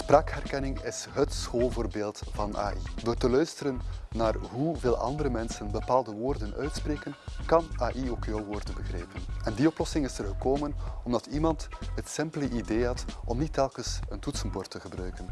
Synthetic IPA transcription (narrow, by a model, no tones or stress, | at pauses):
spraːkɦɛrkɛnɪŋɪsɦətsxoːlˠvoːrbeːlˠtv̥ɑna̰ːʔid̥oːrtəlœɥstəɾənːaːrɦuveːlˠʔɑ̰ndəɾəmɛnsənbəpaːlˠdəʋoːrdənœ̰ɥtspreːkənkɑnaːʔioːkjolˠʋoːrdəbəɣreːpənɛndiɔplɔsɪŋɪsərɣəkoːmənɔmdɑtimɑntɦətsɪmpləʔideːɦɑtɔmnitːɛlˠkəsəntutsənboːrtəɣəbrœɥkən